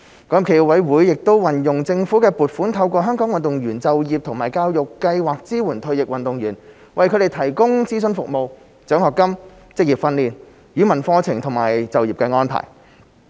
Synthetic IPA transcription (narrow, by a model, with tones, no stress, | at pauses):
kɔ˨˥˨pkʰe˨˩ji˨wɐ˨˧jwuː˨˥jːɪ˨k̚t̪o˥wwɐ˨˩njʊ˨˩ŋt͡sɪ˧ŋfuː˨˥kɛː˧puː˨˩t̚fuː˨˥nt̪ʰɐ˧wkʷɔː˧ɦœː˥ŋkɔː˨˥ŋwɐ˨nt̪ʊ˨ŋjyː˨˩nt͡sɐ˨wjiː˨p̚t̪ʰʊ˨˩ŋmaː˨˩jkaː˧wjʊ˨kːɐ˧jwaː˨k̚t͡siː˥wuː˨˩nt̪ʰɵ˨˧ɥjɪ˨k̚wɐ˨nt̪ʊ˨ŋɥyː˨˩n | wɐ˨jkʰɵ˨˧˥d̪e˨˩jt̪ʰɐ˨˩jkʊ˥ŋt͡siː˥sɵ˧nfʊ˨k̚mo˨w | t͡sœː˨˥ŋhɔː˨kːɐ˥m | t͡sɪ˥k̚jiː˨˩p̚fɐ˧nliː˨n | jyː˨˥mɐ˨˩nfɔː˧t͡sʰɪ˨˩ŋt̪ʰʊ˨˩ŋma̰ː˨˩jt͡sɐ˨wjiː˨˩pkɛː˧ŋɔː˥npʰa̰ː˨˩j